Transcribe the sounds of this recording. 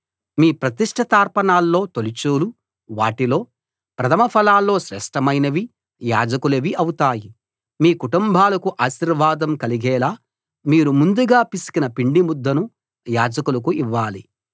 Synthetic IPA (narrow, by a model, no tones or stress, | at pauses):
miːpɾɐt̪iʂʈʰɐt̪aːɾpɐnaːlːo̞ːt̪olit͡ʃuːlu | ʋaːʈilo̞ː | pɾɐt̪ʰɐmɐpʰɐlaːlːo̞ːʃɾɛ̰ːʂʈɐmɐjnɐʋi | jaːd͡ʒɐkuleʋiʔɐwut̪aːji | miːkuʈumbʱaːlɐkuʔaːʃiɾʋaːd̪ɐmkɐliɡɛːlaː | miːɾumund̪uɡaːpisu̥kinɐpiɳɖimud̪ːɐnu | jaːd͡ʒɐkulɐkuiʋːaːli